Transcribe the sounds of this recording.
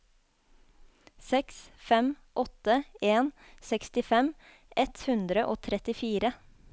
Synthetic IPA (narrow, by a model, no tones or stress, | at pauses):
sɛksfɛm | ʔɔt̪əeːnsɛkst̪ɪfɛm | ʔɛt̪hʉnd̪ɾəʔoːt̪ʰɾɛt̪ɪfiːɾə